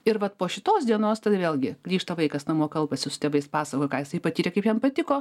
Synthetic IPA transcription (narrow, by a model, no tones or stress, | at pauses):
ɪɾʋɐt̪poːʃʲɪt̪oːsd̪ʲiɛnoːst̪ɐd̪ʋʲeːlʲˠɡʲɪɡ̥lʲiːʃt̪ɐʋɐɪkɐsnɐmuɔkɐlˠpɐsʲɪsʊ̥t̪ʲɛbɐɪspɑːsɐkoːjkɑːjɪsɐɪpɐt̪ʲiːɾʲɛkɐɪpjɛnpɐt̪ʲɪkoː